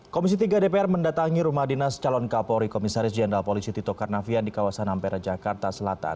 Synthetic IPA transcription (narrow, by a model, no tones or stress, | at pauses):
komis̬it̪iɡadepeɛrməndat̪aŋiɾumahdinast͡ʃalɔnkapɔɾikɔmisaɾɪsd͡ʒɛndɾalpolisit̪it̪ɔkarnafiandikawasanampeɾad͡ʒakart̪asəlat̪a̰n